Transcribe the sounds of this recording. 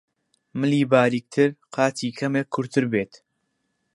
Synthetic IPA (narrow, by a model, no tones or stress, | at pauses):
mɨliːbaːɾiːk̚t̪ʰɨɾqʰɑːt̪ʰiːkʰɐmeːkʰːʊɾt̪ʰɨɾbeːt̪